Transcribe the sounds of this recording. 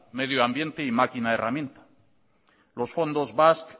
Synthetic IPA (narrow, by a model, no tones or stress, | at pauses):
me̞ðjoambje̞nt̪eimakinaeramje̞nt̪ḁ | lo̞sfo̞nd̪o̞zβask